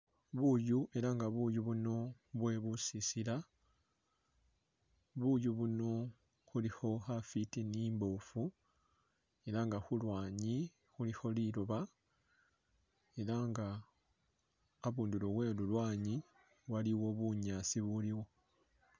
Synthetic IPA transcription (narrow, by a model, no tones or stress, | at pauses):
βujuʔe̞ɾaŋɡaβujuβuno̞βwe̞βusisila | βujuβuno̞ | xulixo̞xafitiniːmbo̞fu | e̞laŋɡaxulwaːɲi | xulixo̞liloβa | e̞laŋɡa | βuːndulowe̞lulwaːɲi | waliwo̞βuɲasiβuliwo̞